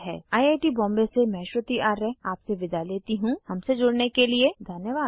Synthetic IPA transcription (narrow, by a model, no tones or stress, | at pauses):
ɦɛ̰ːaːiaːʈibɔ̃ːmbesemɛ̃ːʃwət̪iaːɾːɛaːpseʋɪd̪ʱaleːt̪iɦũhɐmsed͡ʒoːɽnekelied̪ʱɐnjəʋaːd̪